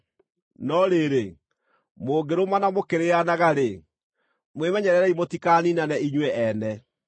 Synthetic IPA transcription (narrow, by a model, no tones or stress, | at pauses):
nɔɾeɾe | moːɡeɾomanamokeɾeanaɣaɾe | mwemɛɲɛɾɛɾɛimotikaːninanɛiɲwɛʔɛnɛ